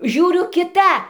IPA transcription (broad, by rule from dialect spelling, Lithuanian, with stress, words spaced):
ˈʒʲuːrʲʊ kʲɪˈtɐ